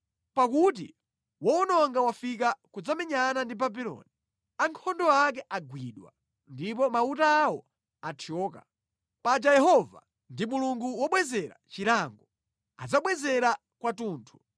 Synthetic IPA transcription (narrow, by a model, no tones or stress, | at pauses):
pakut̬ḭ | wɔunɔŋɡawafikakud͡zamɛɲanandibabilɔ̰ni | aŋkʰɔndɔak̬ɛʔaɡwiɗwa̰ | ndipɔmautaːwɔ | atʰiɔːka̰ | pad͡ʒajɛɦɔva̰ | ndimuluŋɡuwɔɓwɛzɛɾa̰t͡ʃiɾaŋɡɔ | ad͡zaɓwɛzɛɾa | kwatuːntʰu̥